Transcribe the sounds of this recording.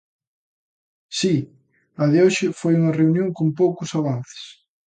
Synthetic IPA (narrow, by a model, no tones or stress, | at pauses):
si | ɐðɪoʃɪfojuŋɐreunjõŋkompowkʊsaβ̞an̟θɪ̥s